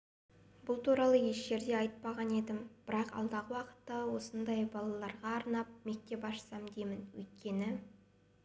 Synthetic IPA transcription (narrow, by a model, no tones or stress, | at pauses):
bʊlˠt̪uɾɑlˠəje̞ʃʒe̞ɾd̪e̞ɑjt̪̚pɑʁɑne̞d̪ɪmb̥ɪɾɑqɑ̰lˠd̪ɑʁəwɑqə̥t̪ːɑwo̞sənd̪ɑjbɑlˠɑlˠɑɾʁɑːɾnɑp̚me̞k̚t̪e̞pɑʃə̥sɑmd̪e̞mɪnwɵ̰jt̪̚kʲe̞nɪ